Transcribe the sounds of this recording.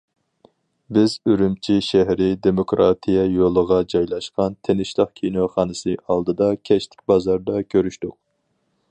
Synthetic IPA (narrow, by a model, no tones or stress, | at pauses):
bɪzyɾymt͡ʃʰiʃæɦɾɪd̪emokɾɑːt̪ʰijɛjolˠəʁɑd͡ʒɑjlˠɑʃqɑnt̪ʰenɪʃlˠəqkʲʰinoχɑːnɨsɨʔɑlˠd̪ɨd̪ɑkʲʰɛʃt̪ʰɪ̥kʲbɑzɑɾd̪ɑkʲʰøɾyʃt̪ʊq̚